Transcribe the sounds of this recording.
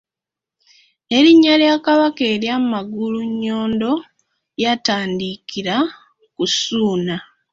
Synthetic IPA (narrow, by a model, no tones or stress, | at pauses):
e̞ɾiɲːaljaːkaβakeːɾjammaɡuluɲːo̞ːndo̞ | jataːndikiɾa | kusuːna